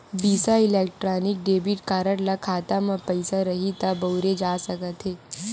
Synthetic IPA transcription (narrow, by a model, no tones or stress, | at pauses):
biːsaɪleːk̚ʈɾaːnɪk̚ɖeːbiʈkaːɾəɽlakʰaːt̪amə̃pɐɪsaɾɐɦit̪abɐːɾed͡ʒaːsɐkət̪ɦeː